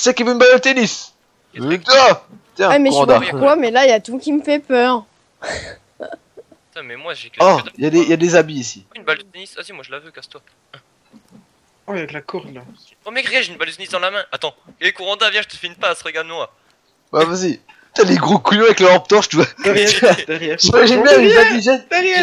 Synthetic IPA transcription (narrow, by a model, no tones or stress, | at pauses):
sɛkivøynbald̪ət̪enis | t̪wa | t̪ɛ̃mɛuʁɑ̃d̪akwamɛlaijat̪ukʲiməfɛpœʁ | t̪ɛ̃mɛmwaʒekɔijad̪ejad̪ezabiːsiynbald̪ət̪enisazimwaʒəlavøkast̪wa | ã | ɛklakɔʁd̪la | pɔmjɛkʁɛɡɛʒeynbald̪ət̪enisd̪ɑ̃lamɛ̃ʔat̪ɑ̃ | kɛlɛkuʁɑ̃d̪avjɛ̃ʒət̪ə̥finpaːsʁəɡaʁd̪əmwa | wɛvazi | t̪aleɡʁokujɔ̃aɛklaɑ̃p̚t̪ɔʁʃt̪yvwaɛd̪ɛjɛimaʒinbjɛ̃ad̪iʒɛd̪ɛʁjɛ